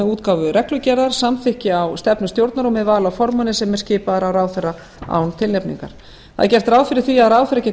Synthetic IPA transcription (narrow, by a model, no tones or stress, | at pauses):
ɛðuːt̪kawvʏrɛhklʏcɛɾðaɾ̥samθɪhcɪawst̪ɛpnʏst̪jowɾt̪naɾɔmːɛðvaːlawfɔɾmanɪsɛmːɛɾ̥scɪːpaðaɾawɾaːwθɛɾa | a̰ːwnt̪ʰɪlnɛpnḭŋka̰ɾ̥ | θa̰ð̰cɛr̥t̪ɾaːwfɪɾɪɾ̥θiaðɾaːwθfɛɾacɛː